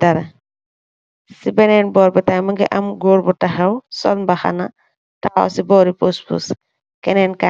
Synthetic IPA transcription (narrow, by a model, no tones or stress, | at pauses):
daɾa | sibɛnɛnbɔɾbɛtajmɯŋɡɛʔamɡoɽbɔtːaɦɛwsɔ̰lnbaxa̰na | taɔ̰sibɔɾipospṵs | kɛnɛnka